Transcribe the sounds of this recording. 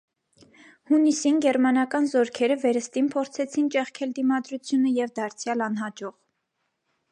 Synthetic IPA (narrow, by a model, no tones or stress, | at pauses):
hunisinɡɛɾmɑnɑkɑnzɔɾkʰɛɾəvɛɾəst̪inpʰɔɾt͡sʰɛt͡sʰint͡ʃɛχkʰɛld̪imɑd̪ɾut͡sʰjunəjɛvd̪ɑɾt͡sʰjɑlɑn̪ɦɑd͡ʒɔʁ